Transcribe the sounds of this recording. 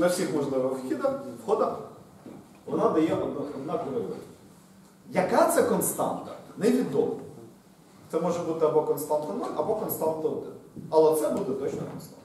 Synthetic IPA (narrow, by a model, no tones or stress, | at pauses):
ɐwsʲixmɔʒlˠɪʋɛxʲid̪ɐxwxɔd̪ɐ | ʋɔnɑd̪ɐjɛʔɔd̪nɔd̪nɑk̪ɔɾɪlˠɪ̰ | jɐkat̪sɛkɔnst̪ɑ̰nt̪ɐnɛʋʲid̪ɔmɐ | t̪sɛmɔʒɛbut̪ɪɐbɔkɔnst̪ɑnt̪ɔnɪʔɐbɔkɔnst̪ɑnt̪ɔd̪ɪ̰nɐlˠɛt̪sɛbud̪ɛt̪ɔt͡ʃnɔkɔ̰nst̪ɑ̰n